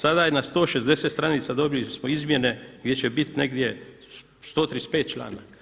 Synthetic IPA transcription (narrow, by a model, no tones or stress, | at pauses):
sad̪ajenast̪o̞ːʃezd̪eseːt̪st̪ɾaniːt̪sad̪o̞bilismoizmje̞ne̞ɡ̪je̞t͡ɕebit̪neɡd̪je̞ | st̪oːt̪ɾispeːt̪̚t͡ʃla̰ːna̰k